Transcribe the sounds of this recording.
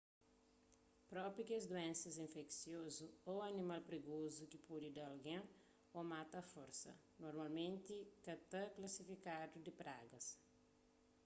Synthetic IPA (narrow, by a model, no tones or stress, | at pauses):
pɾɔpɾikɪɐzd̪uẽnsɐzĩfeksjozuoɐnimalpɾeɡozukipud̪id̪alɡẽŋ | omat̪ɐfoɾsɐ̰ | noɾmalmẽnt̪ɪkɐt̪ɐklasifikad̪ud̪ɪpɾa̰ɡɐs